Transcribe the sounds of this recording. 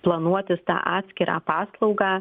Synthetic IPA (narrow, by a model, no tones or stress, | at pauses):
plˠɐnuɔt̪ʲɪst̪ɑ̰ːʔɑːt̪ʲsʲkʲɪɾʔɑ̰ːpɑːslˠɐʊɡɑː